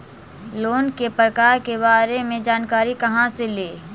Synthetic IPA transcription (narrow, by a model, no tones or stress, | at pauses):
loːnkepɾəkaːɾkebaːɾemẽd͡ʒaːnkaːɾikɐɦãseleː